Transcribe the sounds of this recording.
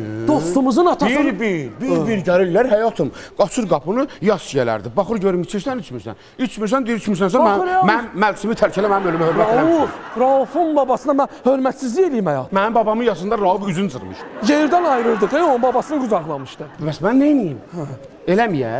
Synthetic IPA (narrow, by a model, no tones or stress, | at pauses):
d̪ost̪ɯmɯzɯnɑt̪ʰɑiɾbibiɾbiɾɟæɾillæɾhæjɑt̪ʰɯmɡ̥ɑt͡ʃʰuɾɡɑpʰunɯjɑst͡ʃijælæ̰ɾd̪ibɑxɯɾɟøɾymit͡ʃʰiɾsænit͡ʃʰmiɾsæ̰n | it͡ʃʰmiɾsænd̪iɾit͡ʃʰmiɾsænsæmæmæmælsimit̪ʰælcʰælæmænimølymæhøɾmɾmæteæuɾɑufunbɑbɑsɯnɑmæhø̞ɾmæt̪sizlijelijimæjɑ̰t̪mænimbɑbɑmɯnjɑsɯnd̪ɑɾɑubyzynzɯ̰ɾmɯ̰ʃjeɾd̪ænɑjɾɯɾd̪ɯɡejonbɑbɑsɯnɯɡuzɑɣlˠɑmɯʃt̪ɯbæsmænːenijim | e̞læmijæ̰